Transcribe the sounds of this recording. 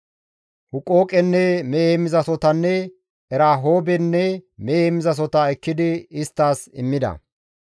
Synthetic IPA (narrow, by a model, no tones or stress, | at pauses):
hʊkʼːo̞ːkʼɛnːɛmɛeːmɪzɐsɔt̪ɐnːɛ | ɛɾaːɦo̞ːbɛnːɛmɛeːmɪzɐs̬ɔt̪ɐɛkːɪd̪ɪɪst̪ːaːsɪmːɪd̪ɐ̰